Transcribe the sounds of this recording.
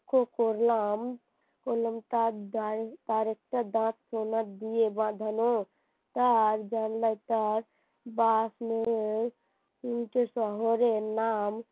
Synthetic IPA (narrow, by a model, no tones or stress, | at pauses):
kokoɾlam | koləmt̪adad̪aɾek̚ʈəd̪ãt̪̚ʰsonat̪d̪ijebãd̪ʱəno | t̪əɾd͡ʒanləjt̪əɾ | basme | inʈesɔɦoɾenam